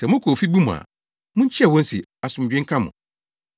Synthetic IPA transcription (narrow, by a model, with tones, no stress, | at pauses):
sɛ˨mʊ̃˦kʰo˨fi˦bu˦mʊ̃˨a̰˨ | mʊ̃˦ɲ˦t͡ɕʰɛ˦˨wɔ̃˦n̩˦sḭ˨ | a˨sʊ̃˨m˨d͡ʑᶣɪ̃˦ŋ̩˦kʰa˦mʊ̰̃˨